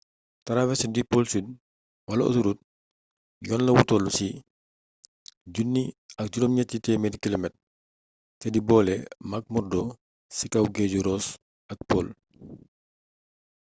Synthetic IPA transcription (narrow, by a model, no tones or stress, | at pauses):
tɐɾawɛsɛdipolsud | wɐlɐṵtuɾut̚ | jɔnlɐwutɔlusi | ɟunːiɐk̚d͡ʒuɾɔmɲɛtːitɛmɛdkilomɛt̚ | tɛdibɔːlɛmɐk̚mɔrdɔ | sikɐwɡeɟuɾɔs | ɐk̚poːl